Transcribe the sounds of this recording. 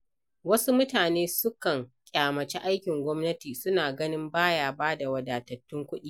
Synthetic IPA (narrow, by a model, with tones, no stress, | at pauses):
wɐ˦su˦mʊ˦taː˨neː˦sʊ˦kɐ˨ŋkʲʼaː˨mɐ˨t͡ʃɛ˦ʔa˦jkʲɪ˨ŋɡʷɔ˦mnɐ˦tiː˨sʊ˦naː˨ɡɐ˦nɪ˦mbaː˦jaː˨baː˦da˨wɐ˨daː˨tɐ˨tːʊ˦ŋkʷʊ˦ɗiː˦